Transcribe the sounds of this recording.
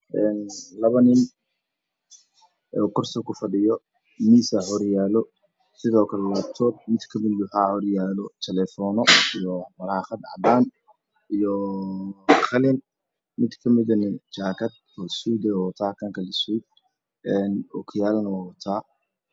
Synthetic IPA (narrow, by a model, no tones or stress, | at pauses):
ʔɛːnlɐβɐnɪn | ɔkʰʊrsɔkʰʊfɐɖɪjɔ | miːsɐhɔɾjaːlɔ | sɪðɔːkʰɐlɛwaːb̚t̪ʰɔːd̪̚mɪd̪kʰɐmɪd̪ʊħaːhɔɾjaːlɔt̪ʰɛlɛːfɔːnɔijɔmɐɾaχɐd̪ɑʕdaːn | ijɔ | χɐlɪn | mɪd̪kʰɐmɪðɐnɪt͡ʃaːkʰɐd̪̚ | ɔswuːd̪ɛwɔt̪ʰaːkʰɐŋkʰɐlɪswid̪̚ | ɛːnɔkʰɪjaːlnɐwawɔt̪ʰaː